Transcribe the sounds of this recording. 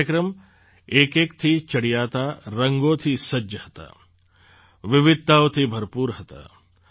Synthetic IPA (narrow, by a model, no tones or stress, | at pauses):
əkɾəm | eːkeːkt̪ʰit͡ʃɐɽijaːt̪aːɾɐŋɡoːt̪ʰisɐd͡ʒəhɐt̪a̰ː | ʋɪʋɪd̪̚t̪aːwt̪ʰibʱɐɾpuːɾɦɐt̪a̰ː